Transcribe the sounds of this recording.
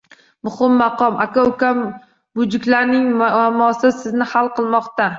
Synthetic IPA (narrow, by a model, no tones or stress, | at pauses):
mʊhɪmːɑqʰɒmʔakʲaʊkʲam | bʊd͡ʒɪkʲlaɾnɪŋmamɒsɪsɪznɪhalˠqʰɨlˠmɒqt̪a